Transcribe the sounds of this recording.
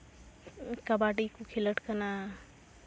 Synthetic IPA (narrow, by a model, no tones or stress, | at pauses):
kabaɖikukʰiləʈkəna